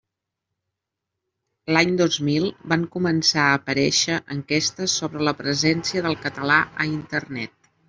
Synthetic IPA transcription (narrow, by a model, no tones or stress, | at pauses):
laɲd̪ozmilˠbaŋkumənsaəːpəɾɛʃəʔəŋkɛst̪əsːoβɾələpɾəzɛnsiəðəlˠkət̪əlaʔəint̪ərnɛt̪̚